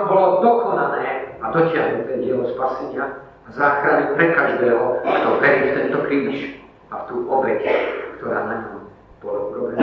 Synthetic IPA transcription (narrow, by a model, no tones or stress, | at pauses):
bɔlɔd̪ɔkɔnalɛːad̪ɔcɪaɦnut̪ɛɟɪɛlɔspasɛɲɪaː | zaːxɾanipɾɛkaʒd̪ɛːɦɔkt̪ɔʋɛɾiːft̪ɛnt̪ɔkɾiːʃ | aft̪uːʔɔbɛckt̪ɔɾa̰ːnaɲɔm | pɔɾɔɡɔbɛna